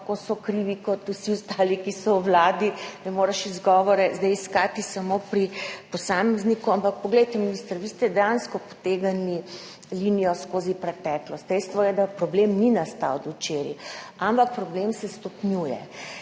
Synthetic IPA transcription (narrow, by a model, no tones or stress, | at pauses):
kosɔkɾiːʋikɔt̪usiust̪aːlikisɔwwlaːd̪inɛmoɾɛʃizɡɔʋɔɾɛzd̪ɛjiskaːt̪isamopɾipɔsaːmɛznikuampak̚pɔɡlɛjt̪ɛminist̪əɾʋiːst̪ɛd̪ɛjanskɔpɔ̥t̪eɡani | linijɔskoːzipɾɛt̪ɛːklɔst̪d̪ɛjst̪ʋɔjɛd̪apɾɔblemninast̪a̰wd̪ut͡ʃeɾḭampak̚pɾɔblemsɛst̪ɔpnjuːjɛ̰